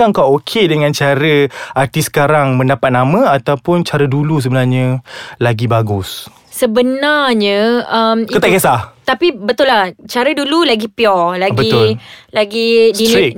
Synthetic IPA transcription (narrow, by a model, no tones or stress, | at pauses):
aŋkawokʰedəŋãnt͡ʃaɾəart̪isə̥kaɾaŋmə̃ndapat̪̚namə̃at̪awpʊnt͡ʃaɾədulus̬əbənarɲəlaɡibaɡʊs | səbənarɲə̃əmkət̪aʔkesat̪apibət̪ʊlaht͡ʃaɾədululaɡipiɔlabɡbəit̪ʊlaɡidini